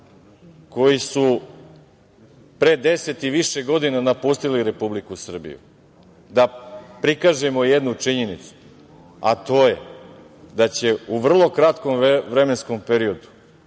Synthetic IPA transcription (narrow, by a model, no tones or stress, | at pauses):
ko̞jisu | pɾe̞d̪e̞se̞t̪iʋiʃeɡo̞d̪inanapust̪iliɾe̞publikusr̩bḭjṵ | d̪apɾikaːʒe̞mo̞jed̪nut͡ʂiɲenit̪su̥ | a̰t̪o̞ːje | d̪at͡ɕe̞uʋr̩lˠo̞kɾat̪ko̞mʋɾe̞me̞nsko̞mpeɾio̞d̪u̥